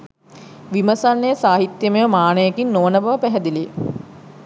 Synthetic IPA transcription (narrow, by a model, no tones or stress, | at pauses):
ʋiməsanːejəsaːɦit̪jəmejəmaːnəjekinːoːnəbaʋəpæɦɛd̪ili